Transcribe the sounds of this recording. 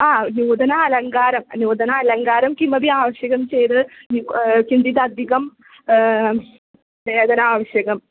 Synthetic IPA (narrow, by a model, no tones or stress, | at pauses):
aːnjuːd̪ɐnaɐlɐŋɡaːɾɐmɐnjuːd̪ʱɐnɐɐlɐŋɡaːɾɐmkimɐbiaːʋɐɕjɐɣɐmt͡ɕejt̪ɨ | kind̪it̪ɐd̪ʱiɣɐm | ʋeːd̪ɐnaːʋɐɕjɐɣɐm